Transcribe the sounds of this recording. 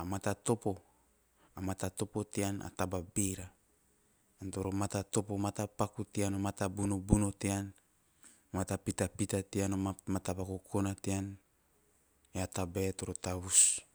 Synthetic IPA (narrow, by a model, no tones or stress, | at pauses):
amatat̪o̞po̞ | amatat̪o̞po̞tiana̰tababiɾaː | nto̞ɾo̞matato̞po̞matapakutianomatabuno̞buno̞tean | matapitapitatianoamatabakokʰonatean | eatabetoɾotaβus